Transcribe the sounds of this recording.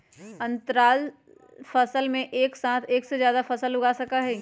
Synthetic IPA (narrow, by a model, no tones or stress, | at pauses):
ɐ̃nt̪ɾaːl | fɐsəlmẽʔeːksãːt̪ʰeːksezjaːd̪afɐsəlːʊɡaːsɐkaɦɛː